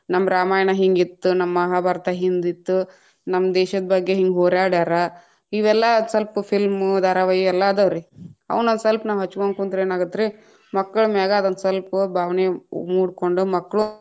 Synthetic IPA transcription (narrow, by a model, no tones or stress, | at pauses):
nɐmːɐɾaːmaːjɐɳɐɦiŋɡit̪ːunɐmːɐɦaːbʱaːɾɐt̪ɐɦind̪it̪ːu | nɐmːɐd̪ɛːʃɐd̪ɐbɐɡːe̞ɦiŋɡɦoːɾaːɽaːɾɐ | iʋɛlːɐsɐlppʰilmd̪ʱaːɾaʋɐjɛlːɐd̪ɐʋɾeɐ̰ʋɐnond̪sɐlpnaːʋɦɐt͡ʃːuʋoːŋkunt̪ɾeːnaːɡut̪ːɾe | mɐkːɐɭumɛːɡaːd̪onsɐlpubʱaːʋnemuːɽkoɳɖumɐkːɐɭu